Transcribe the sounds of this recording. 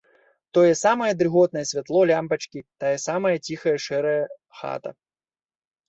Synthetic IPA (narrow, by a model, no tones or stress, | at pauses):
t̪ɔjɛsamɐjɛd̪ɾɨɣɔt̪̚nɐjɛsʲvʲat̪lˠɔlʲampɐt͡ʃkʲit̪ajɛsamɐjɐt͡sʲixɐjɛʂɛɾɐjɐ | xa̰t̪ɐ̰